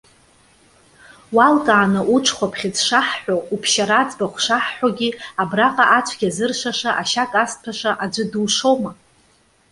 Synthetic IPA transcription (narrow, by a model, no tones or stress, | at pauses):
walkʼaːnaʔuʈ͡ʂʰχʷapʰχʲɪd͡zʂaħːʷᶣoupʰʃaɾad͡zbaχʷʂaħːʷoɡʲiabraqʼaʔat͡ʃʷʰɡʲazɨrʂaʂaʔaʃakʼaspʰaʂaʔad͡ʒʷɨduwʂoma